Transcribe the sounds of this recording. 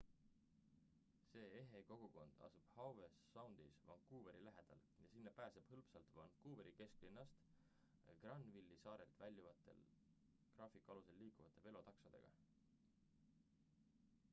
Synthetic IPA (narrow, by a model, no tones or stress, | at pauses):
se̞ːeɦeko̞ɡ̥uko̞nd̪̥ɑ̰sub̥hɑwvesːɑwnd̪̥isvɑ̰ŋkuːve̞ɾilæɦe̞d̪̥ɑ̰ljɑsinːɑpæːse̞b̥hɤlpsɑlt̪vɑŋkuːbeɾike̞sklinːɑst̪ | ɡ̥rɑnːvilːisɑːɾe̞lt̪vælʲjuvɑt̪ːˑe̞̰l | krɑːfikːˑuɑluse̞lːiːkuvɑt̪ːˑe̞ve̞lo̞t̪ɑksɑd̪̥e̞̰ɡ̥ɑ̰